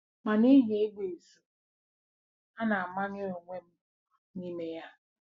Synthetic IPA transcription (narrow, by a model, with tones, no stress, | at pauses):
ma˨ni˦ɦe˨e˦ɡ͡be˨su˨ | a˦na˨a˨ma˦ɲɪ˦ɾo˨ŋʷe˦m̩˦˨ | ni˦me˦ja˦